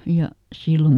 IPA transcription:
jɑ silːo

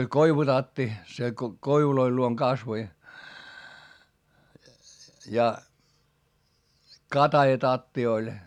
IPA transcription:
olʲ koiʋutɑtːi se ko koiʋuloil luoŋ kɑsʋoi jɑ kɑtɑjɑtɑtːi olʲ

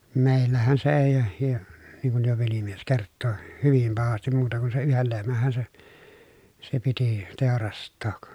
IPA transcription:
meˑi̯lːæhæn se eˑi jɑ niŋ kuj jo ʋelimies kertːoĭ hyʋim pɑhɑstim muːtɑ ku sen̞ yhel lehmæhːæ se se piti teˑorɑstˑoːk

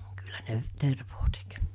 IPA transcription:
kylːæ ne terʋoː tek

